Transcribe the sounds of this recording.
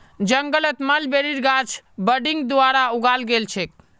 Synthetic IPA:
d͡ʒəŋɡələt̪malbeɾiɾɡat͡ʃʰbəɖiŋɡd̪uaɾauɡalɡelt͡ʃʰek

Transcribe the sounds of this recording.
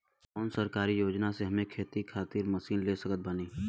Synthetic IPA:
ɔːnsəɾkaːɾijoːd͡ʒnaseɦɐmẽkʰeːt̪ikʰaːt̪iːɾməsiːnleːsəkət̪̚bəniː

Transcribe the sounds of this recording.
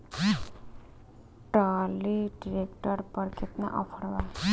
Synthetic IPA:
ʈaliɖiɾekʈəɾpəɾkʰɪt̪mḛʔɔ̰pʰəɾʋa

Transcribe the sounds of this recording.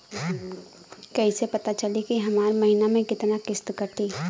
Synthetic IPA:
kɐisepɐt̪at͡ʃɐlikiɦɐmaːɾmɐɦinamẽkɪt̪nakɪst̪kɐɾt̪iː

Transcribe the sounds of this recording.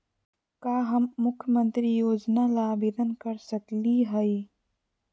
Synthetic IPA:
kaːɦɐmːʊkʰjəmə̃nt̪ɾijoːd͡ʒnalaːbeːd̪ənkɐɾsɐkliɦɐi

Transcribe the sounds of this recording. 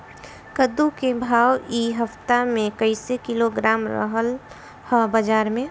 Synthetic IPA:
kəd̪ukebʱaːwiɦəft̪amẽkəɪsekiloɡɾaːmɾə̰ɦəl | həbəd͡ʒaːɾmẽ

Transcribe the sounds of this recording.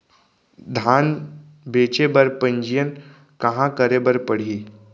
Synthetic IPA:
d̪ʱan | bet͡ɕebəɾpəɲd͡ʑijən | kəɦãkəɾebəɾpəɽ̤i

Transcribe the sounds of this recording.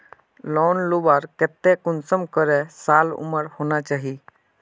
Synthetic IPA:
lɔːnlubaːɾkɛt̪ːekʊnsəmkəɾɛsaːlʊ̰məɾhoːnat͡ʃaːɦiː

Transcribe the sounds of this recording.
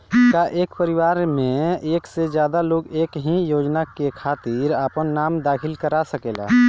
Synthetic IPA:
kaʔeːkpəɾiwaːɾmẽeːksed͡ʒjaːd̪aloːɡeːkɦĩjoːd͡ʒnakekʰaːt̪iɾaːpənːaːmd̪aːkʰɪlkəɾasəkeːla̰

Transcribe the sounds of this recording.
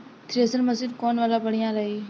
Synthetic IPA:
t̪ʰɾesənməsɪd̪koːnʋaːlapəɽ̤ijãːɾɐɦiː

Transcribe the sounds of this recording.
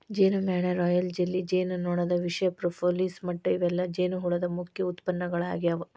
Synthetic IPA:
d͡ʒeːnumaːɳɐɾɔːjɐld͡ʒelːid͡ʒeːnnɔːɳɐd̪ɐʋiʂɐjɐpɾopʰoːliːsmɐʈːɐiʋɛlːɐd͡ʒeːnuɦuɭɐd̪ɐmukʰjɐut̪pɐnːɐɡɐɭa̰ːɡijɐʋɐ

